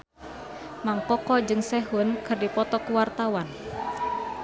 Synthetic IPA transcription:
maŋkɔkɔd͡ʒɨŋsɛɦʊnkɨrdipɔt̪ɔkuwart̪awan

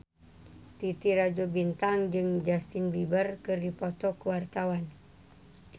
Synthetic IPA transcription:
t̪it̪iɾad͡ʒobint̪aŋd͡ʒɨŋd͡ʒast̪inbibərkɨrdipɔt̪ɔkuwart̪awan

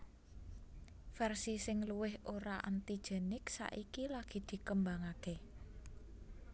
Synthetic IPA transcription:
fɛrsisɪŋluwɪhoɾaʔa̰nt̪i̥ʒ̥e̤nɪksa̰ʔikilaɡ̥i̤d̪̥i̤kəmbaŋake

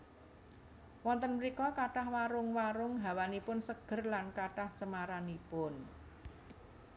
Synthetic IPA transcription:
wɔnt̪ənmɾikɔkaʈahwaɾʊŋwaɾʊŋɦa̤wanipʊnsəɡ̥ə̤rlankaʈaht͡ʃəmaɾanipʊn

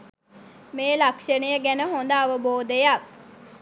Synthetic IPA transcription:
meːlakʂənəjəɡænəɦond̪aːʋəboːd̪əjak̚

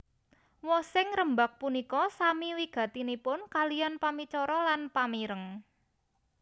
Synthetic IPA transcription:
wɔsɪŋɾəmbak̚punikɔsamiwiɡ̥ä̤t̪inipʊnkalijanpamit͡ʃɔɾɔlanpamiɾəŋ

